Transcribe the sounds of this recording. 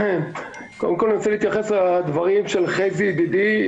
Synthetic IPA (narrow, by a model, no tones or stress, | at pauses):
kod̪emko̞lninaseliːt̪jaχeslad̪vaʁimʃelχezibid̪i